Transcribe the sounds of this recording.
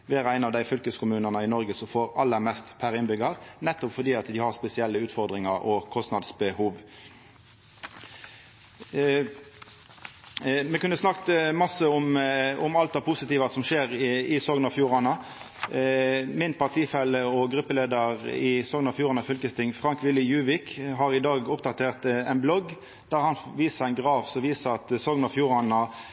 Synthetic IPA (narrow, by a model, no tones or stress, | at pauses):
ʋeːɾæɪnɑʋd̪æɪfʏlkəskʊmʉːnənəɪnɔʁɡəsɔfoːɾɑlːəɾmɛst̪pʰæɾɪnbʏɡɑʁnɛt̪ːɔpfɔd̪iːɑt̪d̪ɪhɑʁspɛsɪɛlːəʉːt̪fɔʁd̪ʁɪŋɑʁɔkʰɔst̪nɑd̪sbəhuːʋ | mɛkʉnːəsnɑkt̪mɑsəʊmʊmɑlt̪d̪ɑpʰʊsɪt̪iːʋɑsɔmʃeːʁɪsoːɡnɑfjuːʁɑnɑ | mɪnpɑʁt̪ʰiːfɛlːəɔɡʁʉpːəleːd̪əʁɪsoːɡnɑfjuːʁɑnɑfʏlkəst̪ɪŋfʁɑŋkʋɪlːɪjʉːʋɪkɦɑʁɪd̪ɑːɡʊp̚d̪ɑt̪ʰeːʁt̪ɛɪnblɔɡ | d̪̥æːʁhɑnʋiːsəæɪnɡʁɑːʋsɔʋiːsəʁɑt̪soːɡnɑfjuːʁɑnɑ